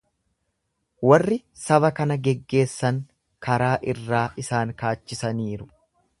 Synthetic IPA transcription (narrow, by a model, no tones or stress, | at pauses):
wɐrːɪ | sɐbɐkɐnɐɡɛɡːe̞ːsːɐŋ | kɐɾaːʔɪrːaːʔɪsaːŋkaːt͡ʃːɪsɐniːɾʊ